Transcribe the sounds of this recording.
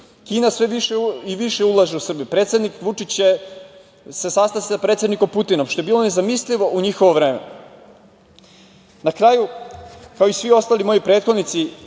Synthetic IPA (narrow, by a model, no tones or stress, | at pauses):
kiːnasʋeʋiʃeiʋiʃe̞ulˠaʒeusr̩bijupɾet̪sʲe̞d̪nikʋut͡ʂit͡ɕje | sesast̪asisapɾet̪sʲed̪niko̞mput̪inomʃt̪o̞jebiːlˠo̞ne̞zamisliʋo̞ʔuɲixoʋoʋɾe̞ːmḛ | nakɾaːjukao̞isʋio̞st̪alimo̞jojpɾe̞ːt̪xo̞d̪nit̪si